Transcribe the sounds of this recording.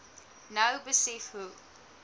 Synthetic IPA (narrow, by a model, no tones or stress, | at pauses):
nəʊbɪsifhuː